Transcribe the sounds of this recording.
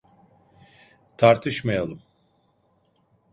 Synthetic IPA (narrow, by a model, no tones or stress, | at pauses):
t̪ʰaɾt̪ʰɯʃmajalˠɯm